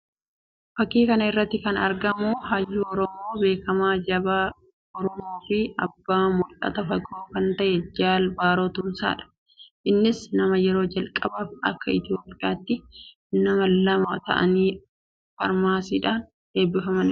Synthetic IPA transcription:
fɐkːiːkɐnɐɪrːɐt̪ːɪkɐnɐɾɡɐmuɦaːjːuːɔɾɔmo̞ːbe̞ːkɐmaːd͡ʒɐbaː | ɔɾɔmoːfɪɐbːaːmʊlʔɐ̰t̪ɐfɐkoːkɐnt̪ɐʔɛd͡ʒaːlbaːɾoːt̪ʊmsa̰ːᶑɐ̥ | ʔɪnːɪsnɐmɐjɛɾo̞ːd͡ʒɐlkʼɐbaːfɐ̰kːɐɪt̪ɪjo̞ːpʼɪjaːt̪ːɪ | nɐmɐlɐmaːt̪ɐ̰ʔɐ̰niː | fɐ̰ɾmaːsiːᶑaːn | e̞ːbːɪfɐmɐnɪ

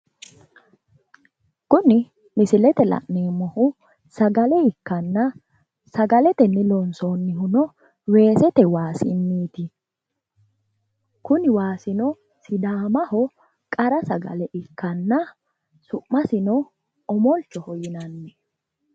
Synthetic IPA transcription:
kʊnɪ | mɪsɪlɛt̪ɛlɐ̰ʔneːmɔhʊ | sɐɡɐlɛɪkːɐnːɐ | sɐɡɐlɛt̪ɛnːɪlɔnsonːɪhʊnɔ | we̞ːsɛt̪ɛwaːsɪmːiːt̪ɪ | kʊnɪwaːsɪnɔ | sɪd̪aːmɐhɔ | kʼɐɾɐsɐɡɐ̰lɛʔɪkːɐnːɐ | sʊʔmːɐsɪnɔ | ɔmɔlt͡ʃːɔhɔjɪnɐnːɛ

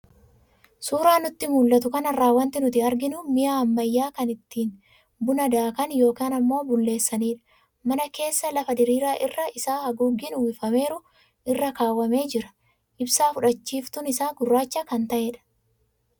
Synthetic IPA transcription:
suːɾaːnʊt̪ːɪmuːlːɐt̪ʊkɐnɐrːaːwːɐnt̪ɪnʊt̪ɪɐɾɡɪnʊmɪjaːɐmːɐjːaːkɐnɪt̪ːiːn | bʊnɐd̪aːkɐnjo̞ːkaːnɐmːo̞ːbʊlːe̞ːsːɐniːᶑɐ̥ | mɐnɐke̞ːsːɐlɐfɐd̪ɪɾiːɾaːʔɪrːɐɪsaːhɐɡuːɡːɪnʊwɪfɐme̞ːɾʊ | ʔɪrːɐkaːwːɐme̞ːd͡ʒɪɾɐ̥ | ʔɪbsaːfʊᶑɐt͡ʃːiːft̪ʊnɪsaːɡʊrːaːt͡ʃːɐkɐnt̪ɐʔeːᶑɐ̥

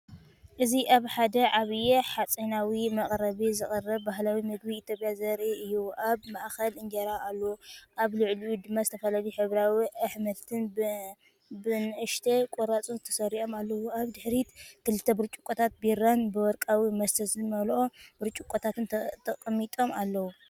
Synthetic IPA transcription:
ʔɨziʔaβħad̪ɐʕaβɨjeħat͡sʼinawimɐχʼɾɐβizɨχʼɐrːɐβbaɦlawimɨɡ̚biːt̪ʰjopʼjazɐɾʔiɨjuʔaβmaʔxɐlɨnd͡ʒɐɾaʔalːɐwʔaβlɨʕlijud̪ɨmːazɨt̪ʰɐfɐlaliħɨβɾawiʔaħmɐlt̪ʰɨn | bɨnʔɨʃt̪ʰekʼoɾat͡sʼunzɨt̪ʰɐ̥sɐɾiʔo̞malːɐwuaβd̪ɨħɾit̪kʰɨlɨt̪ʰːɐbɨɾt͡ʃʼu̥kʷʼot̪ʰat̪̚biɾanbɨwɔɾkʼawimɐsɐzɨmɐlʔobɨɾt͡ʃʼukʷʼot̪ʰat̪ʰɨnt̪ʰɐkʼmːit̪ʼo̞malːɐwu

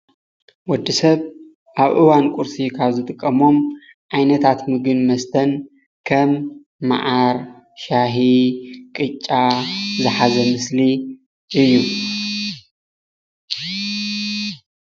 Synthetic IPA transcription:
wɔd̪ːisɐβ | ʔaβʔɨwankʼʊɾsikʰaβzɨt̪ʼɨkʼːɐmo̞m | ʔajnɐt̪ʰat̪mɨɡɨnmɐst̪ʰɐn | kʰɐmː | a̰ʕaɾ | ʃaɦikʼɨt͡ʃʼːazɨħazɐmɨsli | ʔɨjːu

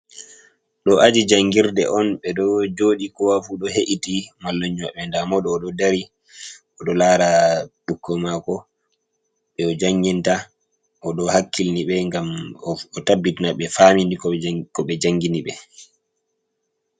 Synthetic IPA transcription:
ɗɔʔad͡ʒid͡ʒaŋɡiɾdɛ̰ʔɔnɓɛɗɔd͡ʒoːɗikɔwafuɗɔheʔitimalːɔɲːɔ̰ɓɛndamɔɗɔːɗɔdaɾi | ʔɔɗɔlaɾaɓukːɔmakɔ | ɓɛɔd͡ʒaŋɡinta | ʔɔɗɔhakːilniɓɛŋɡamɔtabːitnaɓɛfaminikɔkɔɓɛd͡ʒaŋɡiniɓɛ

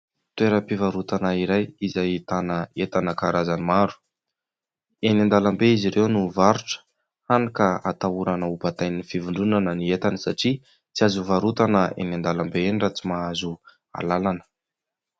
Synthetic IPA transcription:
t̪weɾəpivaɾut̪anəiɾajizait̪anəet̪anəkaɾazanimaɾu̥ | enand̪alambeiziɾewnuvaɾuʈ͡ʂə̥ | hanikəa̰t̪auɾanəupat̪ajninifivuɳɖ͡ʐunanəniet̪anəsaʈ͡ʂi | t͡siazuvaɾut̪anəʔḛnand̪alambeenɖ͡ʐat͡simaazu | a̰lalanə̥

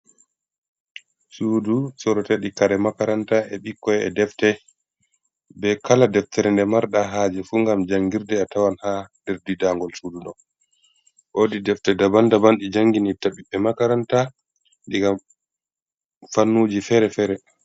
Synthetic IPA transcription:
suːdusɔɾɔtɛɗikaɾɛmakaɾantaɛɓikːɔjɛɛ̰dɛftɛ | bɛkʰaladɛftʰɛɾɛndɛmaɾɗaɦaːd͡ʒɛfuŋɡamd͡ʒaŋɡiɾdɛatawanhadɛɾdidaŋɡɔlsuduɗɔ | ʔodidɛftɛdabandabanɗid͡ʒaŋɡinitaɓiɓɛmakaɾanta | ɗiɡam | fanːud͡ʒifɛɾɛfɛːɾɛ

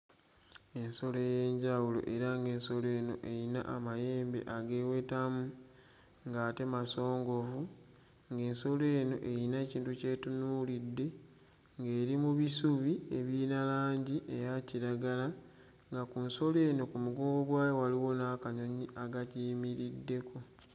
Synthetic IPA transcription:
e̞nso̞lojeɲɟawulo̞̰ʔe̞ɾaŋɡe̞ːnso̞le̞ːno̞̰ʔe̞jina̰ʔamaje̞ːmbe̞̰ʔaɡe̞ːwe̞tamu | ŋɡaːte̞maso̞ːŋɡo̞vu | ŋɡe̞ːnso̞le̞ːno̞̰ʔe̞jinaeciːntuce̞ːtunulidːe̞ | ŋɡe̞ːɾimuβisuβie̞βiːnalaːɲɟiʔejaciɾaɡala | ŋɡakunso̞le̞ːno̞kumuɡoːɡoɡwaːjowaliwo̞naːkaɲo̞ɲiaɡaciːmiɾidːe̞ko̞

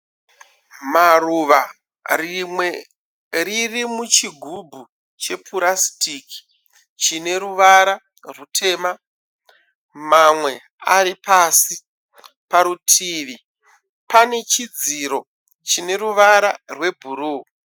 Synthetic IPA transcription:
maruʋa | rimwe̞ | ririmut͡ʃiɡʱubʱu | t͡ʃe̞pʰuɾastiki̥ | t͡ʃine̞ɾuʋaɾa | rutʰe̞ːma | mamwe̞ | a̰ɾipaːsi | paɾutʰiːʋi | pane̞t͡ʃid͡ziɾo̞ | t͡ʃine̞ɾuʋaɾarwe̞bʱuɾuː

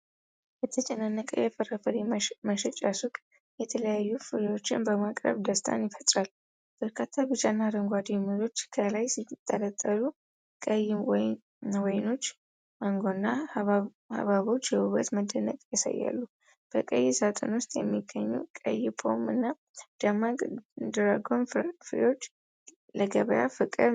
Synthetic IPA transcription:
bɛt̪ʰət͡ʃʼɛnanːəkʼə̰jɛfərəfəliməʃɛt͡ʃʼasukʼ | jɛt̪ʰələjajːufɨɾwo̞t͡ʃːɪnbəmakʼɾə̰βd̪əst̪ʰa̰njɪfət̪ʼɾal | b̥əɾkʰat̪ʰːabɨt͡ʃʼanːaɾəŋɡʷad̪ijmuzo̞t͡ʃːkʰəlajsit̪t̪ʼːələt̪ʼːəlu | kʼəjw | wɔjno̞t͡ʃː | ʔaŋɡonːa | ha̰βaβo̞t͡ʃːjɛhuβət̪məd̪ənəkʼjasa̰jːa̰lːu | b̥əkʼəjːɪsat̪ʼo̰nwʊst̪ʼjɛmːiɡəɲːṵkʼə̰jːɪpʰʼo̞̰mɨnːa | d̪̥amakʼd̪ɾaɡo̞nfɨɾḛo̞t͡ʃː | ləɡəβəjafɨkʼɨɾ

